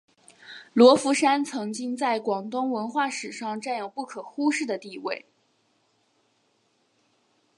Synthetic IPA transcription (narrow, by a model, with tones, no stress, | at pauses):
lwɔ˧˥fu˧˥ʂa˥nt͡sʰɤ˧˥ŋt͡ɕi˥ŋt͡sa˥˩ɪkwɑ˨˩ŋt̪ʊ˥ŋwə˧˥nxwa˥˩ʂɻ̩˨˩ʂɑ˥˧ŋʈ͡ʂa˥˩njo˨˩ʊpu˥˩kʰɤ˨˩xu˥ʂɻ̩˥˩d̪ə˩t̪i˥˧we˥˩ɪ